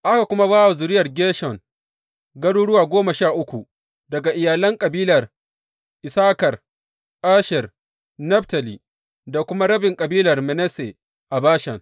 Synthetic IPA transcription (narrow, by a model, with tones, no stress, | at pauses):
ʔa˦ka˨kʷʊ˦ma˦βaː˦wa˨zʊ˨ɾɪ˦jɐ˨rɡʲeː˦ʃɔ˨ŋ | ɡɐ˦ɽuː˦ɽʊ˦waː˨ɡʷoː˦ma˨ʃaː˦˨ʔʊ˦kʷu˨ | dɐ˨ɡa˨ʔɪ˨jaː˨lɐ˦ŋkʼɐ˨biː˦lɐ˨r | ʔɪ˨saː˦kɐ˨r | ʔaː˦ʃɛ˨r | nɐ˦ɸta˨li˨ | da˨kʷʊ˦ma˦ɾɐ˦bɪ˨ŋkʼɐ˨biː˦lɐ˨rmɛ˨nɛ˦sḛ˨ | ʔa˨baː˦ʃɛ˨ŋ